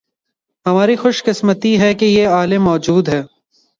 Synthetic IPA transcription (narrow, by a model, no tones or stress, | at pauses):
ɦɐmaːɾixʊʃqɪsmət̪iɦɛkejeaːlɪmːɔːd͡ʒuːd̪ɦɛː